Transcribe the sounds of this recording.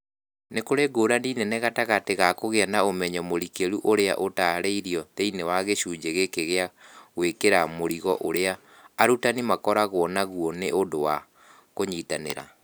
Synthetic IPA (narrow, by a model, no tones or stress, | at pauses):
nekoɾeɡoɾaniːnɛnɛɣataɣateɣakoɣeanaomɛɲɔmoɾikeɾuʔoɾea̰ʔotaɾeiɾiɔtɛinewaɣeɕuːd͡ʑeɣekeɣeaɣwekeɾamoɾiɣɔʔoɾeaː | ɾutanimakɔɾaɣwɔnaɣuɔneʔondowa | koɲiːtanḛɾa̰